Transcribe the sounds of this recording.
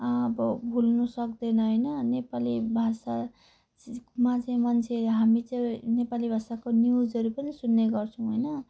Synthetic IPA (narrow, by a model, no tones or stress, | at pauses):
bʌbʱulnʌsʌkd̪ʌnʌɦʌjnʌnepalibʱasa | mat͡saĩmant͡sʰeɦamit͡sʌĩnepalibʱasakonjud͡zɦʌɾupʌnisunːeɡʌrt͡sʰʌ̃w̃ɦojnʌ